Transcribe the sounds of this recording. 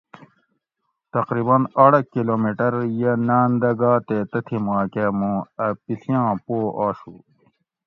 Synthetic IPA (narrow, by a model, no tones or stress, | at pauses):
t̪ɐqɾiːbɐnɐɽɐkiloːmiʈɐɾjɐnaːnd̪ɐɡaːt̪et̪ɐt̪ʰimaːkemũɐpiɬijãːpoːʔaːɕu